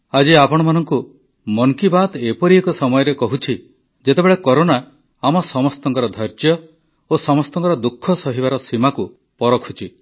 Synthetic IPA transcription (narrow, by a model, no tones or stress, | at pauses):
ad͡ʒiapɔɽ̃ɔmanɔŋku | mɔŋkibat̪epɔɾiekɔsɔmɔjɔɾekɔɦut͡ʃʰi | d͡ʒet̪ebeɭekɔɾona | amɔsɔmɔst̪ɔŋkɔɾɔd̪ʱɔɾd͡ʒjɔ | osɔmɔst̪ɔ̃ŋkɔɾɔd̪ukʰːɔsɔɦibaɾɔsimaku | pɔɾɔkʰut͡ʃʰi